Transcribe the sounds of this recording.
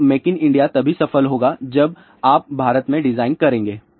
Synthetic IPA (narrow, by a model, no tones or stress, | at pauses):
meːkɪnɪ̃ɳɖijat̪ɐbʱisɐfəlɦoːɡad͡ʒɐb | aːp̚bʱaːɾət̪mẽɖɪzaːɪnkɐɾẽːŋɡeː